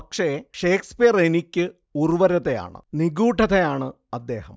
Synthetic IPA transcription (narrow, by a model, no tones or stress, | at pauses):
pɐkʂe̞ʂeːkspijɐrenikʲːɨ | urʋɐɾɐðeja̰ːɳɨ̰niɡuːʈʰɐðejaːɳɨ | ɐd̪ːe̞ːhɐm